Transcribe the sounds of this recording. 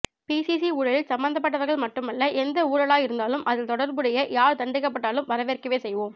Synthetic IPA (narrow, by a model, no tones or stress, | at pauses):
piːsisiuːɽɐɭɪlsɐmbɐnd̪ɐp̬ːɐʈːɐʋɐɾɣɐɭmɐʈːɯmɐlːɐʔɛnd̪ɐuːɽɐɭaːjɪɾɯnd̪aːlɯmʔɐðɪlt̪ɔɽɐɾbɯɽɐjɐjaːɾt̪ɐɳɖɪkːɐp̬ːɐʈːaːlɯmʋɐɾɐʋeːrkɐʋeːsɛjʋoːm